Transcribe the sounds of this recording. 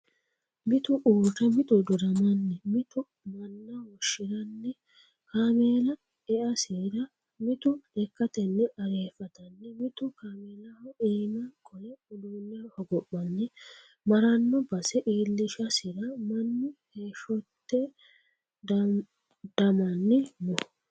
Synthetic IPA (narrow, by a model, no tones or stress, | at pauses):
mɪt̪ʊʔuːkɛmɪt̪ʊd̪ʊɾɐmɐnːɛmɪt̪ʊ | mɐnːɐwɔʃːɪɾɐnːɛ | kaːmeːlɐ | ɛʔɐsiɾɐ | mɪt̪ʊɛkːɐt̪ɛnːɛʔɐɾe̞ːfɐt̪ɐnːɛmɪt̪ʊkaːmeːlɐhɔʔiːnɐkʰʼɔjɛʊluːlːɛhɔɡɔpːɐnːɛ | mɐɾɐnːɔbɐsɛʔiːlːɪʃɐsɪɾɐmɐnːɪheːʃɔt̪ːɛ | d̪̥ɐmɐnːɪmʊ